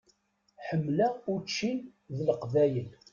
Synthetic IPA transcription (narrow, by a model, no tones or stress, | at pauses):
ħəmːlæʊɾt͡ʃːinðələqvæjən